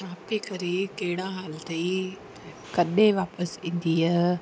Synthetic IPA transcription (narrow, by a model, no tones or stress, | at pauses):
t͡ʃaːpikɐɾikɐɦɪɽ̃aɦaːlt̪e | kɐɗẽʋaːpəsĩːn̆d̪iːɐ